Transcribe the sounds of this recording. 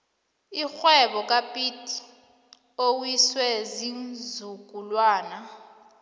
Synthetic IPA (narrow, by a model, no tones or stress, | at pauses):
ixwɛɓɔk̬ʼapʼitʼi̥ | owiswɛzinzuk̬ʼulwaːna